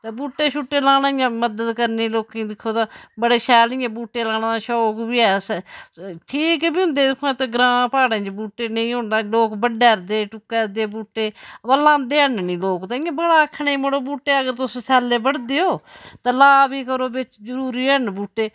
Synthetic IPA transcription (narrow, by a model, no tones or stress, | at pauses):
t̪eːbuːʈːeːʃʰʊʈːeːlãːnaːãːməd̪əd̪kəɾneːloːkĩd̪ɪkʰːoːt̪ãːbəɽeːʃɛːlĩːɛ̃ːbuːʈːeːlãːnãːd̪aːʃɔːkbiːɛːs | ʈʰiːkːbiːʊ̃nd̪eːd̪ɪkʰːoɛ̃ːt̪eːɡɾãːpaːɽẽːt͡ʃbuːʈːeːneĩːɦʊ̃nãloːkbəɖeːɾd̪eːʈʊkːeːɾd̪eːbuːʈːeːbaːlãːnd̪eːənnĩːloːkt̪ãɪjãːbəɽaːəkʰːɳeiːməɽoːbuːʈːeːəɡəɾt̪ʊssɛːleːbəɽd̪eːoːt̪ãːlaːbiːkəɾoːbɪt͡ʃd͡ʒəɾuːɾiːənbuːʈːeː